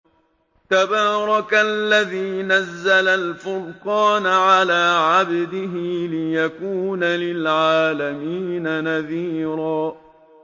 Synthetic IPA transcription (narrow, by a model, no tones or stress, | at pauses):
t̪abɑːɾˤɑkalːaðiːnazːalalfʊlqɑːnaʕalaːʕabd̪ɪɦɪlɪjakuːnalɪlʕaːlamiːnanaðiːɾaː